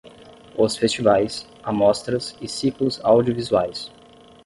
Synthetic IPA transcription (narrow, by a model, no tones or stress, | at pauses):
osfest͡ʃivajs | amɔst̪ɾɐsɪsiklʊzawd͡ʒiovizuajs